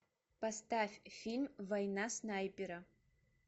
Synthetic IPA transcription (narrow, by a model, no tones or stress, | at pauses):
pastafʲfʲilʲmvajnasnajpʲʼeɾa